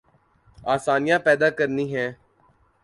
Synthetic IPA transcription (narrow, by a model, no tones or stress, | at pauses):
aːsaːnɪjãːpɛːd̪aːkəɾniːɦɛ̃ː